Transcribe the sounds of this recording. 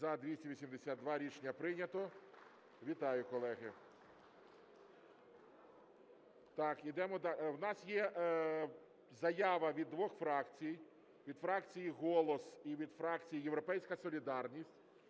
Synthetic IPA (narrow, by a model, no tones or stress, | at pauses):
zɐd̪ʋʲisʲtʲiʋʲisʲimd̪esʲad̪̚d̪ʋɑɾʲit͡ʃnʲɐpɾɪnʲɐt̪ɔ | ʋʲit̪ɑjʊkɔlˠɛɦɪ | t̪ɑkid̪ɛmɔd̪ɑwnɑsjɛ | zɐjɑʋɐʋʲid̪ːʋɔxfɾɑkt͡sʲijij | ʋʲid̪fɾɑkt͡sʲijiɦɔlˠɔsiʋʲid̪fɾɑkt͡sʲijijeʋɾɔpɛjsʲkɐsɔlʲid̪ɑrnʲisʲtʲ